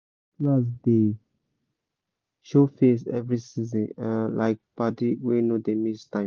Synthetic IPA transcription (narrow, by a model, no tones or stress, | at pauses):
plas̬d̪e | ʃofes̬ɛvɾisizə̃nə̃lʔa̰ɪk̚patiwenod̪emistãɪ̃m